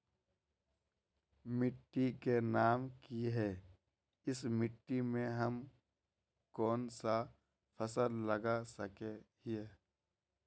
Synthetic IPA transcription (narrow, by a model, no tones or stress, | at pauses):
mɪʈːikenaːmkiɦɛː | ɪsmɪʈːimẽɦəm | kɔːnsa | pʰəsəlləɡasəkeɦieː